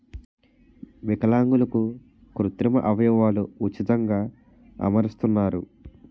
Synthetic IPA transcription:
ʋikɐlaːŋɡulɐku | kɾut̪ɾimɐ̰ʔɐʋɐjɔːʋaːluut͡ʃːit̪ɐŋɡaː | ɐ̰mɐɾist̪unːaːɾu

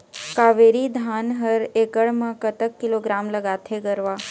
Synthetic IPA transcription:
kaʋeɾid̪ʱanɦəɾekəɭmãkət̪əkːiloɡɾamləɡat̪ʰeɡəɾʋa

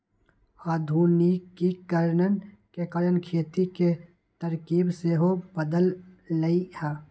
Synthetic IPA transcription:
aːd̪ʱuːnikːikəɾnənkekəɾənkʰeːt̪ike | t̪əɾkiːbseɦobəd̪əlːəihɛː

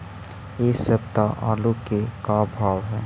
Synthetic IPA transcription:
eːsəb̚t̪aʔa̰ːlukekabʱaːwɦɛː

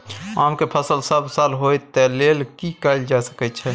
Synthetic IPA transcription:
amkepʰəsəlsəbʱsalɦojt̪ɛlelkikəld͡ʒasə̥kɛt͡ʃʰɛ

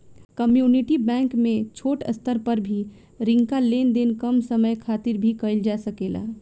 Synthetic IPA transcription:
kəmjuːniʈibɛ̃ːŋkmẽt͡ʃʰoːʈə̰st̪əɾpəɾbʱi | ɾɪ̃ŋkaleːnd̪enkəmsəməjkʰaːt̪ɪɾbʱikəɪld͡ʒasəkeːla̰

